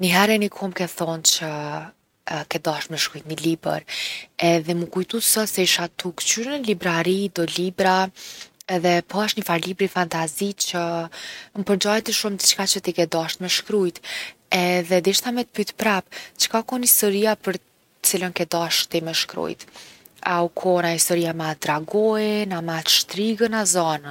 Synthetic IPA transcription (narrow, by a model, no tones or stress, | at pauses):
niɦɛɾɛnikʰɔmkɛθɔnt͡ɕə | kɛd̪aʃt̪mɛʃkɾujt̪̚nilibə̰ɾɛðɛmukujt̪usəsɛiʃat̪ukt͡ɕyɾənəlibɾaɾid̪ɔlibɾa | ɛðɛpɔaʃɲəfaɾlibɾifant̪azit͡ɕə | mpəɾd͡ʑajt̪əʃumd̪it͡ɕkat͡ɕət̪ikɛd̪aʃt̪mɛʃkɾujt̪ɛðɛd̪iʃθamɛt̪pyt̪pɾapt͡ʃə̥kakɔnist̪ɔɾiapəɾ | ət͡silənkɛd̪aʃt̪imɛʃkɾṵjt̪ | aukʰɔnaist̪ɔɾiamat̪ɾaɡɔjɛnamat̪ʃt̪ɾiɡənazɔna